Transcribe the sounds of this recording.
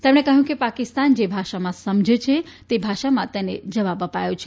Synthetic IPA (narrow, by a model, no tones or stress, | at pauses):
t̪emɳekəɦjũkepakist̪and͡ʒebʱaʃamãsəmd͡ʒʱet͡ʃʰet̪ebʱaʃamãt̪enḛd͡ʒəʋabəpajot͡ʃʰe